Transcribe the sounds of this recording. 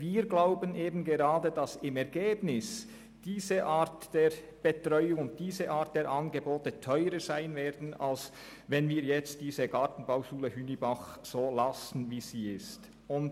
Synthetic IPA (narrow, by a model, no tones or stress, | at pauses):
viːɾɡlaʊbənʔeːbn̩ɡeʁaːdəd̥ɑsɪmɛʁɡeːbnɪs | d̥iːzəʔaːtd̥ɛːɾ | b̥etʁœʏʊŋʊnt̚d̥iːzəʔaːt̚d̥ɛːɐɾʔɑnɡeboːtətʰœʏɾəz̥aɪnveːdn̩a̰ls | vɛnviːɐjɛt͡std̥iːzəɡaːtn̩baʊʃuːləhyːnibaχz̥oːlasn̩viːz̥iːɪst | ʊnt